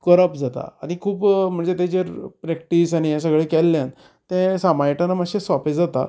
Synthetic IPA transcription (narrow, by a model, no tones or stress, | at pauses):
kəɾəpd͡zat̪a̰ːɽ̃ikʰuːpm̤əɳd͡zet̪ed͡ʑeɾpɾɛk̚ʈiːsaɽ̃ñijas̬əɡɭekɛlːjãn | t̪ɛ̃samajʈanaməɕẽsʋaped͡zat̪a̰